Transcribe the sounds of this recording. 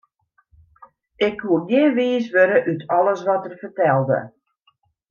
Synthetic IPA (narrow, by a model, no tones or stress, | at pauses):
ɪkʰːuəɡjɪʋiːsʋøɾəʔytʰɔləsʋɔtərfərtɛlˠdə̰